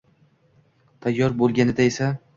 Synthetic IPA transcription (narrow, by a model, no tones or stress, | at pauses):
t̪ʰajːɒɾbolˠɡʲanɪd̪aesa